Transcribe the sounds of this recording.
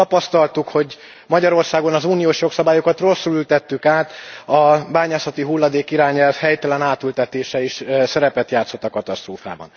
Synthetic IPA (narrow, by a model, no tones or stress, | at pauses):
ɒpɒst̪ɒlt̪ukho̞ɟ | mɒɟɒɾo̞rsaːɡo̞nɒzuːnijoːʃjo̞ksɒbaːjokɒt̪ro̞sːulylt̪ɛt̪ːykaːt̪ɒbaːɲaːsɒt̪iɦulːɒd̪eːkiɾaːɲɛlvhɛjt̪ɛlɛnaːt̪ylt̪ɛt̪eːʃɛiʃsɛɾɛpɛt̪jaːt̪so̞t̪ːɒkɒt̪ɒst̪roːfa̰ːbɒ̰n